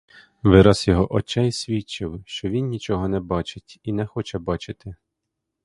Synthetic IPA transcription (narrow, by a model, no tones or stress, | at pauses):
ʋɪɾɑzjɔɦɔʔɔt͡ʃɛjsʲʋʲit͡ʃɪwʃt͡ʃɔʋʲinnʲit͡ʃɔɦɔnɛbɑt͡ʃɪtʲinɛxɔt͡ʃɛbɑt͡ʃɪt̪ɪ